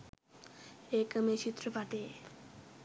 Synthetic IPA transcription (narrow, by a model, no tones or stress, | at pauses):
ekəmeʃit̪ːɾopaʈe